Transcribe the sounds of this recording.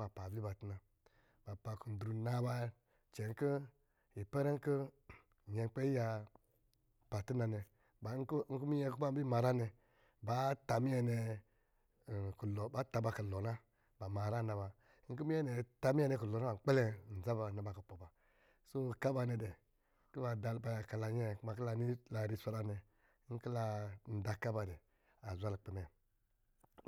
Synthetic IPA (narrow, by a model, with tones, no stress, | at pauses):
a˨pa˨bi˦ba˨tna˨ | ba˨pa˨ku˨n̩˨dɾu˨na˧ba˧˦ | t͡ʃe˨˦ŋ̩˦kə˦ | ji˨pe˦ɾe˦ŋ̩˦kə˦˨ | je˨˧˦k͡pe˦i˦ja˧ | b̥a˨tu˦na˧ne˧ | ba˨˦ŋ̩˦ku˦mi˦je˧˦ku˦ba˦bi˦ma˧ɾa˦ne˧ | ba˨˦ta˧mi˦je˧ne˧˨ | ku˨lo˨ba˨˦ta˧ba˧ka˨lo˨na˦ | ba˨ma˨ɾa˦na˨ba˨˦ | ŋ̩˦ku˦mi˦ɛ˦nɛ˨ta˦mi˦ɛ˦˨nɛ˧˨ku˨lɔ˨na˦ba˨˦k͡pe˦lɛ˦˨n̩˨za˦ba˨na˨ba˨kə˨po˨ba˨ | so˦ka˦ba˧nɛ˨dɛ˨˦ | ki˦ba˨da˨˦ba˨ka˨la˨ɲɛ˦˨kma˨ki˦la˧ni˦la˨ɾi˧sʷa˧ɾa˧nɛ˨˦ | ŋ̩˦ki˦la˧n̩˨da˨ka˦ba˧dɛ˨ | a˨zʷa˦lk͡pi˨mɛ˨